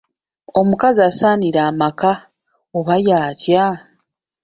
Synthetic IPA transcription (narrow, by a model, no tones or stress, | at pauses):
o̞mukazaːsaːniɾaːmaka | oβajaːca